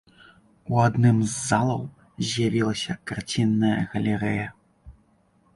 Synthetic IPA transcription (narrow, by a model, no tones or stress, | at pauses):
uad̪nɨmzːalˠɐw | zʲjavʲilˠɐsʲɐkart͡sʲinːɐjɐɣɐlʲɛɾɛjɐ